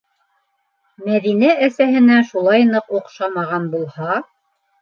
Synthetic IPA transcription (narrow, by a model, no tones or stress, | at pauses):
mæðinæʔæsæɦɘ̆næʃulˠɑjnɤquqʃɑmɑʁɑnbulˠhɑ